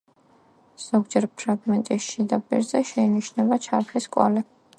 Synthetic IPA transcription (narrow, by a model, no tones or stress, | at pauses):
z̥ɔɡd͡ʒɛɾpʰɾaɡmɛnt̪ʼisʃid̪apʼḭɾzɛʃɛiniʃnɛbat͡ʃʰapʰliskʼwa̰lɛ